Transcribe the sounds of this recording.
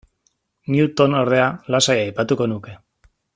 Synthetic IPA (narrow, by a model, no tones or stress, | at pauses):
niut̪o̞no̞ɾð̞e̞alasajaːjpat̪uko̞nuke̞